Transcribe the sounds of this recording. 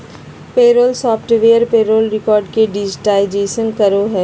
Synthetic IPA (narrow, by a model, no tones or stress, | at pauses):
peːɾoːlsɔːpʈʋeːəɾpeːɾoːlɾɪkɔːɾɖkeɖɪd͡ʒɪʈaːɪd͡ʒeːsənkɐɾoɦɛː